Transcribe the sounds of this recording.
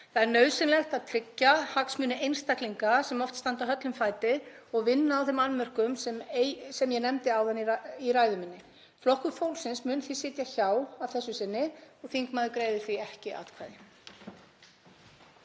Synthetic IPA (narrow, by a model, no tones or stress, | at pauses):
θaðɛɾnœːɥsɪnlɛxt̪aðt̪ʰɾɪcːahaksmʏːnɪejnst̪akliŋkasɛmɔft̪st̪ant̪awɦœt̪lʏmfaːjt̪ɪ | ɔɣvɪnːaːwθɪmanmɛr̥kʏmsɛmsɛmjɛnɛmt̪ɪaːwðanːiɾaːjðʏmɪnːɪ | flɔhkʏfowlsɪnsmʏnθisɪːt̪jaçaːwavθɛsːʏsɪnːɪɔɣθiŋkmaːðɪkɾeːjðɪθɾiɛhcɪʔa̰ːt̪kʰvajðɪ